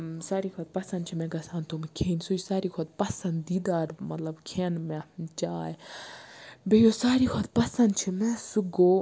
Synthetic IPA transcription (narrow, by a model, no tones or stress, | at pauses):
saːɾiːkʰɐt̪̚pɐsɐ̃nd̪̚t͡ʃʰimɛ̃ɡɐsãːnt̪omekʰeːnsojisaːɾiːkʰot̪̚pɐsɐ̃nd̪iːd̪aːɾmɐt̪lɐbkʰeːnmɛ̃t͡ʃaːj | bejoːsaːɾikʰɐt̪̚pɐsɐnd̪t͡ʃʰimɛ̃suɡoː